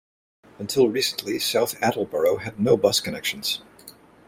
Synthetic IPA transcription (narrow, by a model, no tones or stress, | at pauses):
ɨ̃ntʰɪlˠɹisn̩ʔlisaʊθæɾl̩ˠbɜ˞oʊɨdⁿnoʊbʌskɨnɛkʃn̩z̥